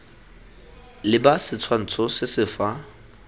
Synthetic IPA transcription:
lɪbasɪt͡sʰwan̩t͡sʰɔsɪsɪfa

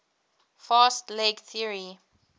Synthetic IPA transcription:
fastlekθiəɹi

